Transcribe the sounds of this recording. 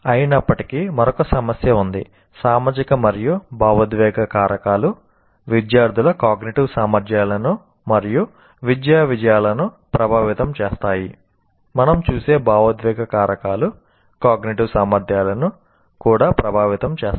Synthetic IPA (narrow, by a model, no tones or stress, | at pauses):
ɐjinɐpːɐʈi̥kimɐɾɔkɐsɐmɐsjɐund̪ḭ | saːmaːd͡ʒikɐmɐɾijubaːʋɐd̪ʋɛːɡɐkaːɾɐkaːlu | ʋid̪jaːɾd̪ʱulɐkaːɡniʈiʋsaːmɐɾd̪jaːlɐnu | mɐɾiju | ʋid̪jaːʋid͡ʒɐjaːlɐnu | pɾɐbʱaːʋit̪ɐmt͡ʃeːst̪aːji | mɐnɐmt͡ʃuːseːbaːʋɐd̪ʋɛːɡɐkaːɾɐkaːlu | kaːɡniʈiʋsaːmɐɾd̪ʱjaːlɐnu | kuːɽaːpɾɐbʱaːʋit̪ɐmt͡ʃeːs